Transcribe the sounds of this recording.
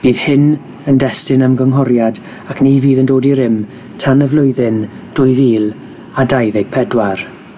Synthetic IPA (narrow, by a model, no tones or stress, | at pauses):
b̥iːð̥hɪn | əndɛstɪnəmɡəŋɦɔɾjad | akʰniviːðəndoːdiɾɪm | tʰanəvlʊɨðɪn | d̥ʊɨviːlˠ | adajðɪɡ̥̚pʰɛdwar